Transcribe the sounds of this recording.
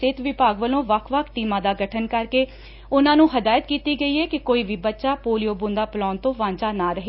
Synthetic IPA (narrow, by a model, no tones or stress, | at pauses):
ɪt̪ʰʋɪpaːɡʋəlõːʋəkʰʋəkʰʈiːmãːd̪aːɡəʈʰənkəɾkeː | ʊnãːnũːɦəd̪aːjət̪kiːt̪iːɡəiːɦɛːkɪkoːiːʋiːbətːʃaːpoːlijoːbũːnd̪aːpəlɔːnt̪õːʋãːɲt͡ʃaːnaːɾəɦeː